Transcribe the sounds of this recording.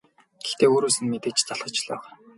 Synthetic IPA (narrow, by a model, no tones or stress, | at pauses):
ɡ̥ext̪eːoːɾoːsɘ̆nmet̪eːkt͡ɕt͡saɮχə̆t͡ɕɮœ̰ːʁæː